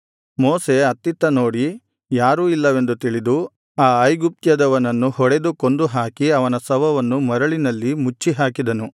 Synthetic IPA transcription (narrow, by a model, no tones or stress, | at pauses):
mɔːse̞ɐt̪ːit̪ːɐno̞ːɽi | jaːɾuːilːɐʋe̞nd̪ut̪iɭid̪u | aːɐjɡup̚t̪jɐd̪ɐʋɐnɐnːuɦɔɽe̞d̪uko̞nd̪uɦaːkiɐʋɐnɐsɐʋɐʋɐnːumɐɾɐɭinɐlːimut͡ʃːiɦaːkid̪ɐnu